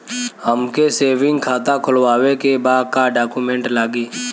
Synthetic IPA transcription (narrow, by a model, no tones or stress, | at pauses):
həmkeseːʋɪ̃ŋɡkʰaːt̪akʰʊlwaːwekebaːd̪̚kaɖaːkumẽːɳʈlaːɡiː